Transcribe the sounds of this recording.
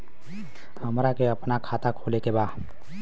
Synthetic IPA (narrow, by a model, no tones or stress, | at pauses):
həmɾakeəpnakʰaːt̪akʰoːlekebaː